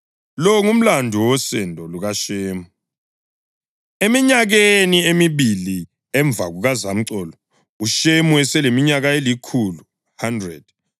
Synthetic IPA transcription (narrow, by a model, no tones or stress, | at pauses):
lɔŋum̩landʱuwɔsɛndʱɔluɣaʃeːmu | emiɲaɣeniemiβili | ɛɱb̪vʱaɣuɣazam̩ǀɔːlɔ | uʃemuɛsɛlemiɲaɣaelikʰulu | handrɛd̥